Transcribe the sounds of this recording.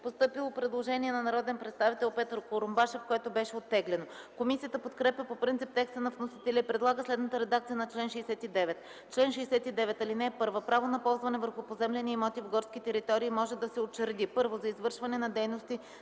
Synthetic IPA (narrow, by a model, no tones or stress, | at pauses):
post̪ɤpilˠopɾɛd̪lˠoʒɛniɛnɐnɐɾɔd̪ɛnpɾɛt̪st̪avit̪ɛlˠpɛt̪əɾkoɾombaʃɛfkoɛt̪obɛʃɛot̪ːɛɡlɛno | komisijət̪əpot̪kɾɛpʲəpopɾint̪ip̚t̪ɛkst̪ənɐfnosi̥t̪ɛlʲɛipɾɛd̪lˠaɡəslɛd̪nət̪əɾɛd̪ak̚t̪sijənɐt͡ʃlɛnʃɛːsɛt̪id̪ɛvɛt̪ | t͡ʃlɛnʃɛjsɛt̪id̪ɛvɛt̪ɐlinɛpɤɾvəpɾavonɐpɔlˠzvɐnɛvəɾxʊpozɛmlɛniimɔt̪ivɡɔɾskʲit̪ɛɾit̪ɔɾiːmɔʒɛd̪ɐsɛot͡ʃːəɾd̪ipɤɾvozɐizvɤɾʃvɐnɛnɐd̪ɛjnost̪i